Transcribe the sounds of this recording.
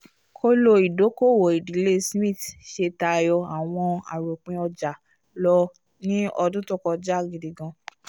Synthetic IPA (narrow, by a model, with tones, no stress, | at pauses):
kʰo˦lo˧i˨do˨˦ko˦˨wo˨i˨di˨˦le˦smĩ˦˨tʃe˧ta˧jɔ˧a˨w̃ɔ̃˧a̰˨ɾo˨k͡pĩ˧ɔ˧d͡ʒa˨ | lɔ˧ | nĩ˦ɔ˧dũ˦tɔ˦kɔ˧d͡ʒa˦˨ɡi˨dĩ˨ɡã˧